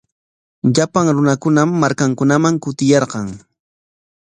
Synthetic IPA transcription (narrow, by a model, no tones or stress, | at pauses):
ʎapaŋɾʊnakʊnamːaɾkaŋkʊnamaŋkʊt̪ɪjɑɾqɑŋ